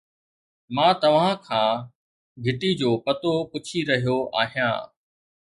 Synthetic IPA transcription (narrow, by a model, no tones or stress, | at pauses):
mãːt̪ɐʋ̤ãkʰãː | ɡʱɪt̪id͡ʑoːpɐt̪opʊt͡ɕʰiɾɐɦijoʔa̰ːɦijã̰ː